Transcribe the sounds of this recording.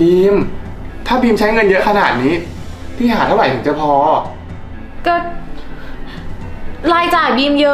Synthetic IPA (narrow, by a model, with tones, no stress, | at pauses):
biː˧m | t̪ʰaː˥˩biː˧mt͡ɕʰa˦˥jŋɤ˧njɤ˦˥kʰa˧naː˨˩t̪̚niː˦˥ | pʰiː˥˩haː˨˩t̪a˥˩wɾa˨˩˦t̪ʰɯ˩˦ŋt͡ɕa˨˧˩pʰɔː˧ | kɔː˥˩ | laː˧jt͡ɕaː˨˩jbiː˧mjɤ˦˥